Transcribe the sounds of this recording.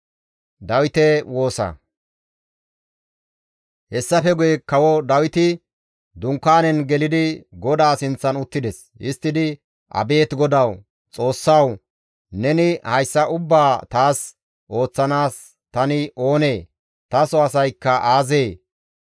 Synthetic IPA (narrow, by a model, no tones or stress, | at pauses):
d̪ɐwɪt̪ɛwo̞ːsɐ̰ | hɛsːɐfɛɡʊjɛkɐwɔd̪ɐwɪt̪ɪ | d̪ʊŋkːaːnɛnɡɛlɪd̪ɪɡɔd̪aːsɪnt͡sːɐnʊt̪ːɪd̪ɛs | ɪst̪ːɪd̪ɪ | ʔɐ̰be̞ːt̪ɡɔd̪ɐw | t͡sʼo̞ːsːɐw | nɛnɪhɐjsːɐʔʊbːaːt̪aːs | ʔo̞ːt͡sːɐnaːs | t̪ɐnɪʔo̞ːneː | t̪ɐsɔɐsɐjkːɐʔaːzeː